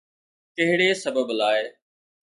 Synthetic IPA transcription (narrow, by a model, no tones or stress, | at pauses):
kɐɦɪɽeːsəbəblaːeɪ